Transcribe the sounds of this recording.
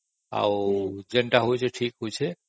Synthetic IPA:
a̰wd͡ʒə̃ɳʈaɦojt͡ʃʰɛʈʰiːkɦojt͡ʃʰɛ

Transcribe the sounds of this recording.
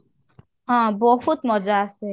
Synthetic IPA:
ɦãbʊɔfutmɔd͡ʒasɪ

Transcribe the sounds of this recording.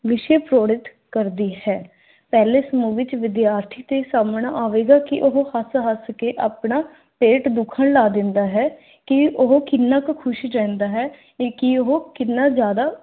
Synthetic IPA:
ʋɪʃeːpɾoːɽɪt̪ | kəɾd̪iːɦɛː | pɛːleːsəmũːʋɪt͡ʃʋɪd̪jaːɾt̪ʰiːt̪eːsaːmɳaʔaːʋeːɡaːkɪʔoɦhəsɦəskeːʔaːpɳaː | peːʈd̪ʊkʰəɳlaːd̪ɪ̃nd̪aːɦɛː | kɪʊɦokɪnːaːkkʰʊʃiɾɛ̃ːnd̪aːɦɛː | kɪoɦokɪnːaːzjaːd̪aː

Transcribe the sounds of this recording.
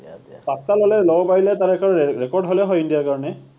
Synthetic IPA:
pastalɔlɛlɔbɔpaɹilɛtaɹɛkɔɹɹɛkɔɹdɦolɛɦɔjindijaɹkaɹɔnɛ

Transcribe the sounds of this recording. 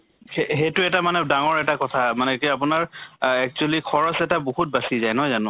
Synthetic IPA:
eɦejtʊɛtamanɛdaŋɔɹɛtakɔtʰamanɛkap̬ʊnaɹɛk̚t͡ʃualikʰɔɹɔsɛtaboɦut̚basizajnɔɦɔjzanʊ̃

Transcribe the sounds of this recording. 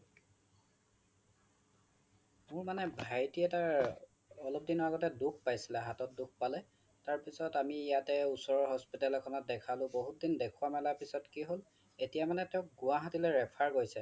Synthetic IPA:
mʊɹmanɛbʱajtiɛtaɹ | ɔlɔp̚dinɔɹaɡɔtɛduk̚ʰpajsilɛɦatɔt̚duk̚ʰpalɛ | taɹpisɔtamiːjatɛusɔɹɔɦɔspitalɔkʰɔnɔt̚dɛkʰalʊ̃boɦut̚dindɛkʰʊwamɛlapisɔtkiɦol | etijamanɛtɛʊk̚ɡʊwaɦatilɛɹɛpʰaɹɡojsɛ

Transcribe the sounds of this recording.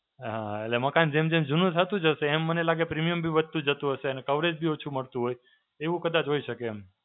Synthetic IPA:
ɦãetleməkand͡ʒemd͡ʒemd͡ʒunũt̪ʰət̪ũd͡ʒəʃeːmːənelaɡepɾimijəmbʱiʋəd̪̚t̪ũd͡ʒət̪ũɦəʃeənekəʋɾed͡ʒbʱiot͡ʃʰuməɭt̪ũɦoj | eʋũkəd̪at͡ʃɦoiʃəkeːm

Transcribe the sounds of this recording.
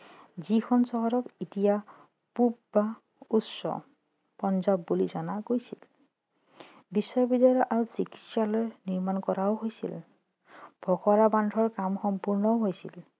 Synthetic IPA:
zikʰɔnsɔɦɔɹɔkitija | pup̚ba | utsɔ̰ | pɔnzabːulizɔnaɡojsil | bisːɔbidajɔɔʔaɹosiki̥tsalɔjniɹmankɔɹaoɦojsḭl | b̥ʱɔxɔɹabandʱɔɹkamxɔmpuɹnɔɦojsḭl

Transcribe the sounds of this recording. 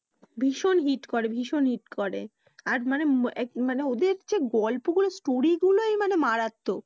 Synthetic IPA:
bʱiʃonɦiʈkoɾebʱiʃonɦiʈkoɾḛ | aɾmaneɛmaneod̪eɾd͡ʑeɡɔlpoɡulosʈoɾiɡulojmanemaɾat̪ːo

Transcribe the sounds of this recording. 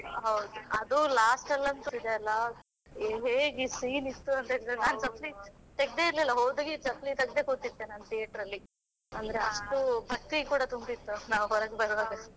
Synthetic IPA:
ɦɐwd̪uɐd̪ulaːsʈɐlːɐnt̪uid̪eɐlːɐ | ɦeːɡiːsiːnit̪ːuɐnt̪eɾd̪enaːnt͡ʃɐplit̪eɡ̚d̪e̞iɾlilːɐɦoːd̪uɡit͡ʃɐplit̪ɐɡ̚d̪eːkoɾt̪id̪ːeːnɐnt̪ijeʈɐɾɐlːi | ɐnd̪ɐɾeɐʂʈubʱɐk̚t̪ikuːɽɐt̪umbit̪ːunaːʋuɦɔɾɐɡbɐɾʋaːɡɐ

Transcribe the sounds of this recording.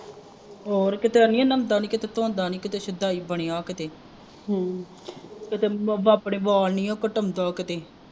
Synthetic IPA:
ɔːɾkɪt̪eːənĩːãːnəmd̪aːnĩːkɪt̪eːt̪õːnd̪aːniːkɪt̪eːsɪd̪aːiːbəɽ̃eːaːkɪt̪eː | ɦ | kɪt̪eːbaːpɳeːbaːlniːoːkəʈəmd̪aːkɪt̪eː

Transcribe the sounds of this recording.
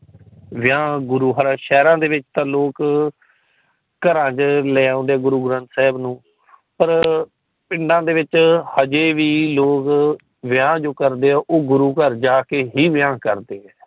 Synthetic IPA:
ʋɪjãːɡʊɾuːɦəɾaːʃɛːɾãːd̪eːʋɪt͡ʃt̪ãːloːk | kəɾãːd͡ʒlɛːãːnd̪eɛːɡʊɾuːɡɾə̃nt̪sɛːbnũː | pəɾ | pɪɳɖãːd̪eːʋɪt͡ʃhəd͡ʒeːʋiːloːk | ʋɪjãːd͡ʒoːkəɾd̪eːɛːʔoːɡʊɾuːkəɾd͡ʒaːkeːɦiːʋɪjãːkəɾd̪eːɛː

